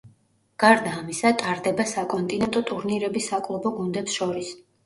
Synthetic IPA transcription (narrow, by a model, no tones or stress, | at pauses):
ɡ̥aɾd̪aːmisat̪ʼaɾd̪ɛbasakʼɔnt̪ʼinɛnt̪ʼɔt̪ʼuɾniɾɛbisːakʼlˠɔbɔɡund̪ɛpsʃɔɾis